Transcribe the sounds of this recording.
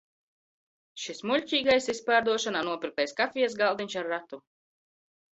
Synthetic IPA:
ʃismuʎʲcʲiːɡajsispaːɾd̪uɔʃanaːnuɔpiɾk̚lɛjskafʲijɛsɡalˠd̪iɲʃaɾːat̪u

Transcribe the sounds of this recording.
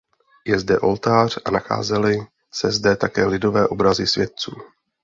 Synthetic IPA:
jɛzdɛʔo̞lt̪aːr̝̥ʔanaxa̰ːzɛlɪ | sɛzdɛt̪akɛːlɪdo̞vɛːʔo̞bɾazɪsvjɛt̪̚t͡suː

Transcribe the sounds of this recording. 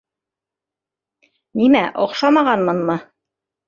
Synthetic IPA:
nimæʔŏqʃɑmɑʁɑnmɤ̆nmɤ

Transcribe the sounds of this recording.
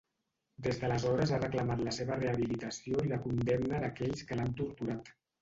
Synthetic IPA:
d̪ezðələzɔɾəzarəkləmat̪ləseβəreəβ̞ilit̪əsioiβakund̪ɛmnəðəkɛʎskəlant̪uɾt̪uɾat̪

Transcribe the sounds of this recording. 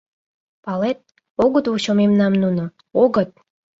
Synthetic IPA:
pɑlet̪̚ | oɣət̪uɕomemnɑmnuno | oɡə̆t̪̚

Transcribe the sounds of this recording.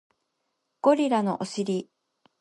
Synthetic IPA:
ɡ̥o̞ɾʲiɾano̞̰ʔoɕiɾʲi

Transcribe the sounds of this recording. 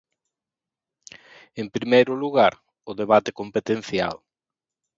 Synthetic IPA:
empɾimejɾʊluɣaɾ | ʊðeβ̞at̪ekompet̪ẽn̟θja̰l

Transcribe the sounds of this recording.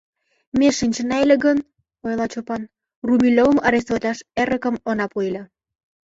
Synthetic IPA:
meʃinʲt͡ɕə̆nɑjlʲĕɡən | ojlˠɑt͡ɕopɑn | rumʲilʲovə̆mɑɾesolʲɑʃeɾə̆kə̆monɑpojlʲɑ

